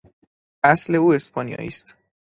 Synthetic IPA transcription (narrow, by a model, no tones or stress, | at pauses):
ʔæsle̞uːe̞spʰɒnijɒ̰ːʔḭːst̪